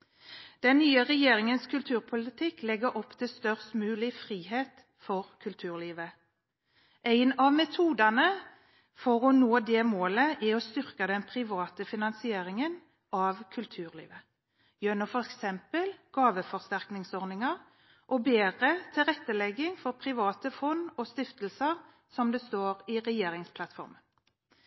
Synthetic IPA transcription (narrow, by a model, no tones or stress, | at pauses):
d̪̥ɛnːyːəʁɛjeːʁɪŋənskʰʉlt̪ʰʉːʁpʰʊlɪt̪ʰɪklɛɡəɔpːt̪ʰɪlst̪œʁst̪mʉːlɪfʁiːɦeːt̪ | fɔʁkʰʉlt̪ʰʉːʁliːʋə | ʔæɪnɑʋmɛt̪ʰuːd̪ɑnə | fɔʁɔnoːd̪ɛːmoːləʔɛɔst̪ʏʁkəd̪ɛnpʰʁɪʋɑːt̪əfɪnɑnsɪeːʁɪŋən | ʔɑʋkʰʉlt̪ʰʉːʁlḭːʋə | jønʊfɔʁɛksɛmpəlɡ̥ɑːʋəfɔʁst̪æʁknɪŋsɔɾnɪŋɑʁ | ʔɔbeːʁət̪ʰɪlʁɛt̪ːəlɛɡːɪŋfɔʁpʰɾɪʋɑːt̪əfɔnɔst̪ɪft̪əlsəʁ | sɔmd̪ɛst̪oːɾɪʁɛjeːɾɪŋspʰlɑt̪fɔ̰ʁmən